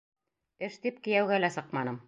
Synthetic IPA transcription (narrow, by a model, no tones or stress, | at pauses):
ɘʃt̪ip̚kĭjæwɡælæsɤqmɑnɤm